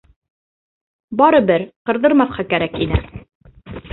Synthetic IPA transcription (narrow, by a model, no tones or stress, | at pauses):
bɑɾɤbɘɾqɤ̆ɾðɤ̆ɾmɑθqɑkæɾækinɘ